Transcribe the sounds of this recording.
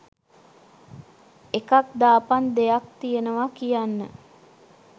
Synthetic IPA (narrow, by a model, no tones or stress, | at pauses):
ekakd̪aːpand̪ejak̚t̪ijenəʋakijanːə̰